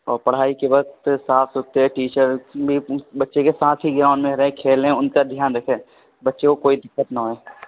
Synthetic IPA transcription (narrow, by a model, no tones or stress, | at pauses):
ɔːɾpɐɽ̤ɦaːikebɐkt̪saːfʰsot̪eɦɛʈiːt͡ʃəɾbʱibɐtːʃekesaːt̪ʰɦiɡɾaːʊnmẽɾɐɦẽkʰeːlẽʊnkad̪ʱjaːnɾɐkʰeː | bɐtːʃekokoːid̪ɪkːət̪nɐɦoeː